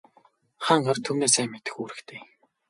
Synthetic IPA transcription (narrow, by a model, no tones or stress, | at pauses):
χaːɴɢart̪ʰumneːs̬æːmːet̪ɘ̆xuːɾɘ̆kt̪ʰeː